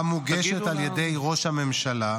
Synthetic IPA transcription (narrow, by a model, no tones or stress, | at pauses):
amuɡeʃet̪aljede̞jʁo̞ʃhame̞mʃala